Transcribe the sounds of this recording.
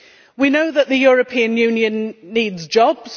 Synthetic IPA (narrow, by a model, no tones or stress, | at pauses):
winoʊðəʔðəjɔːɹəpʰĩə̃njʉ̃ːnjə̃nːiːdzd͡ʒɒbz̥